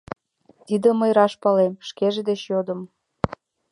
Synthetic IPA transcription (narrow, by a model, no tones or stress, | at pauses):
t̪id̪ə̆məjɾɑʃpɑlemʃkeʒed̪et͡ɕjod̪ə̆m